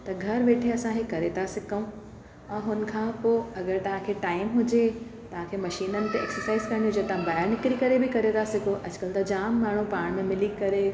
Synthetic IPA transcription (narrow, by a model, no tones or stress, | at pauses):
t̪ɐɡʱɐɾʋeːʈʰeɐsãkʰekɐɾet̪ʰasɪkəũ | ɛ̃ːɦʊnɪ̆kʰãːpoːɐɡəɾt̪ɐʋ̤ãkʰeʈaːɪmɦʊd͡ʑet̪ɐʋ̤ãkʰeːmɐʃiːnənɪ̆t̪eḛːksəɾsaːɪzkɐɾə̃ɽ̃nĩʊd͡ʑet̪ãbaːɦɪɾnɪkɾikɐɾebʱɪkɐɾet̪ʰasɪkʰoʔɐd͡ʑkɐlt̪ɐd͡ʑaːmːaːɳ̤ũpaːɽ̃mẽmɪlikɐɾe